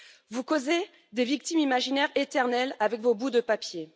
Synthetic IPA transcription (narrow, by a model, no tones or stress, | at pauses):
vukoze | d̪evik̚t̪imimaʒinɛʁet̪ɛʁnɛlavɛkvobud̪əpapje